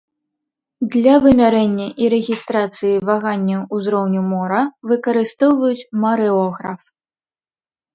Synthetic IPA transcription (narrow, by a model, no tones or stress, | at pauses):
d̪lʲɐvɨmʲaɾɛnʲːɐʔiɾɛɣʲist̪ɾat̪sɨjivaɣanʲːɐwuzɾɔwnʲumɔɾɐvɨkɐɾɨst̪ɔwvɐjut͡sʲmaɾɛɔɣɾɐf